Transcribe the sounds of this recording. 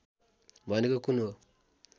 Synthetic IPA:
banikakuno

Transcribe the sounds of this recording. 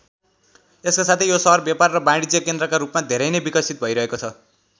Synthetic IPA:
eskasat̪ʰejosʌɦʌrbjaparːʌbãɽid͡zjʌkend̪ɾʌkaɾupmad̪ʱeɾʌjnebikʌsʰit̪̚bʱʌjɾʌɦekot͡sʰʌ

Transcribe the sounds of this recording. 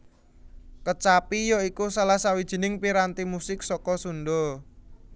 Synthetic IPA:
kət͡ʃapijɔikusalahsawid̥ʒ̥i̤nɪŋpiɾant̪imusɪksɔkɔsunɖɔ

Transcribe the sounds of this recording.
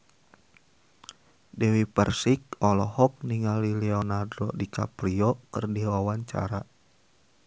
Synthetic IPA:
dɛwipərsik̚ɔlɔhɔk̚niŋalilɛɔnardɔdika̰pɾiɔkɨrdiwawaɲt͡ʃa̰ɾa

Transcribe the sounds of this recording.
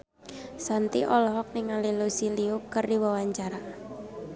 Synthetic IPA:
sant̪iʔɔlɔɦɔk̚nɪŋalilusiliʊkərdiwawaɲt͡ʃaɾa

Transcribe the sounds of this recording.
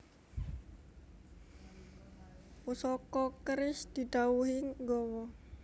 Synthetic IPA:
pusɔkɔkəɾɪsd̪̥idauɦɪŋɡɔwɔ

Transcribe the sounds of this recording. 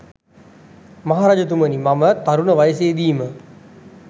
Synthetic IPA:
maɦaɾad͡ʒət̪̬umənimamət̪aɾunəʋajəseːd̪iːmə

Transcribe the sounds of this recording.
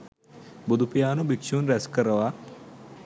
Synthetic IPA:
bud̪upjaːnubikʃuːnɾɛskɐɾɐʋa

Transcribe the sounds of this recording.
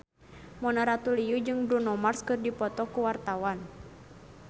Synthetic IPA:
mɔnaɾat̪ulijud͡ʒɨŋbɾunɔmarskɨrdipɔt̪ɔkuwart̪awan

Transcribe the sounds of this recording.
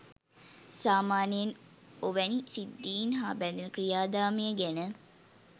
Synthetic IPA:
saːmaːnijən | oʋɛnisid̪ːiːnɦaːbæd̪enəkɾijaːd̪aːmijəɡenə

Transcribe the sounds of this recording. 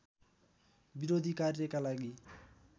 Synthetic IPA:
biɾod̪ʱikarjʌkalaɡi

